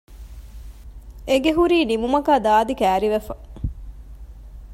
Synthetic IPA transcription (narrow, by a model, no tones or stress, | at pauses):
eɡeɦuɾiːnimumɐkaːd̪aːd̪ikæːɾiʋefɐ